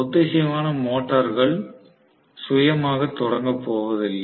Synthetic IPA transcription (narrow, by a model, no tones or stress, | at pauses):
ʊd̪ːeːsɐmaːnɐmoːʈːɐɾɣɐɭ | sʊjɐmaːɣɐt̪ːɔɽɐŋɡɐpːoːʋɐðɪlːɐ